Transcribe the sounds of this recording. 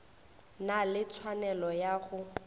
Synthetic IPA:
nalɪt͡sʰwanɛlɔjaɣʊ

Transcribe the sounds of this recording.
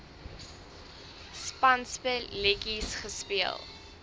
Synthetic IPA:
spɐnspəlɛkisχəspiəlˠ

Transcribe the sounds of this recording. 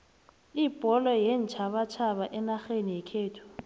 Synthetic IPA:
ib̥ʱʼɔlɔjɛn̩t͡ʃʰaβat͡ʃʰaβaʔɛnaxenijɛkʰeːtʰɔ̥

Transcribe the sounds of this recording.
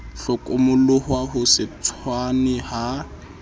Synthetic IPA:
ɬʊkʼʊmʊlʊhwaɦʊsɪt͡sʰwanɪha

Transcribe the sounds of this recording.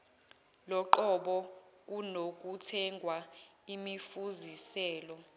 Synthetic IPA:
lɔǃɔɓɔk̬unok̬utʰɛŋɡʱwaimifuzisɛːlɔ

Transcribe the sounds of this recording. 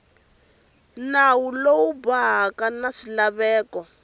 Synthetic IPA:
nawulowubaɦakanaʂilaβɛːkɔ

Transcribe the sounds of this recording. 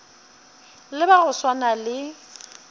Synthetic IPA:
lɪbaɣʊswanalɪ

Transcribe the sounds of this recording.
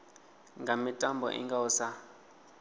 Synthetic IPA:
ŋɡʱamitʼambʱɔ̰ʔḭŋɡausa

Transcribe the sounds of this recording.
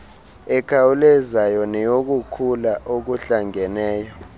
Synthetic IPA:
ɛkʰawulɛzajɔnɛjok̬ukʰulaʔok̬uɬaŋɛnɛːjɔ

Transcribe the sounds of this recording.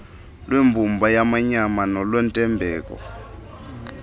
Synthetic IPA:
lwembʱumbʱajamaɲamanɔlwɛntʼɛmbʱɛːkʼɔ̰

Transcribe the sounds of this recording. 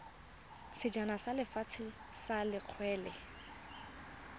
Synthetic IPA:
sɪd͡ʒanasalɪfat͡sʰɪ | salɪq͡χʰwɛːlɛ

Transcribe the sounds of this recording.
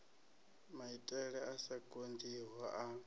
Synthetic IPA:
maitʼɛɺɛasaɡʼond͡ziɦwaʔa

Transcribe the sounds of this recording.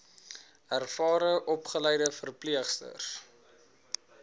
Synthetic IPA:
ærfɑːɾəʔɔpχələjdəfərpliəχstə̰r

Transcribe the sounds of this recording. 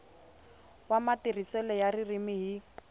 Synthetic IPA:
wamatirisɛlɛjaririmiɦi

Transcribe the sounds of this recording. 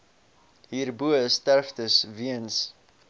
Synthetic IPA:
ɦiːrbuəəstærftəsviəns

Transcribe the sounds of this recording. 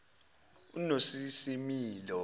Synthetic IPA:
unosisimiːlɔ

